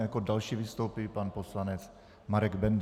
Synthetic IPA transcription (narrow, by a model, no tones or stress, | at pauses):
jakodalʃiːvɪst̪owpɪpanposlanɛt͡s | maɾɛɡbɛnd̪